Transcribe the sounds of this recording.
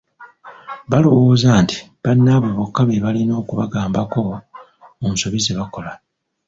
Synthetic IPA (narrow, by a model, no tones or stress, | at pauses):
βalo̞wo̞ːzaːnti̥ | βanːaβoβokːaβeβalino̞ːkuβaɡaːmbako̞ | omusoβizeβako̞la